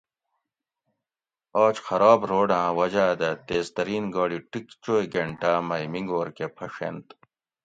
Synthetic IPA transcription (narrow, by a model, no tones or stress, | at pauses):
ɔːt͡ɕxɐɾaːbɾoːɖãːwɐd͡ʑaːd̪ɐt̪eːzt̪ɐɾiːnɡɔːɽiʈikt͡ɕoːjɡeɳʈaːmɐjmiŋɡoːɾkepʰɐʂḛnt̪